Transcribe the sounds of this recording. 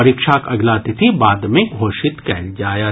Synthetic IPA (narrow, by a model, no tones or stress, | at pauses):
ɐɾikʃaːkɐɡlaːt̪it̪ʰibaːd̪mẽɡʱoːʃɪt̪kɛːld͡ʒaːja